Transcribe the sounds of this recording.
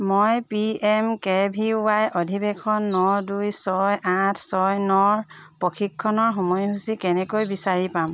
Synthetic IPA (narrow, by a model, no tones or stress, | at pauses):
mɔjpiɛmkɛbʱiwajʔɔdʱibɛkʰɔnːɔdujsɔjatʰsɔjnɔɹ | pɔkʰikʰːɔnɔɹxɔmɔjɦusikɛnɛkojbisaɹipam